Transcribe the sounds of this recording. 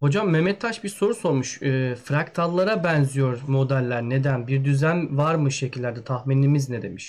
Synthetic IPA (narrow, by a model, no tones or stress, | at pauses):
ho̞d͡ʒamːɛmɛtt̪ʰːaʃbiɾso̞ɾuso̞ɾmuʃfɾakt̪ʰaɾlˠaɾabɛnzyjo̞ɾmo̞d̪ælʲːæɾne̞d̪ænbiɾd̪yzænvaɾmɯʃe̞cʰilʲːæɾd̪ɛt̪ʰahminʲːimizned̪e̞miʃ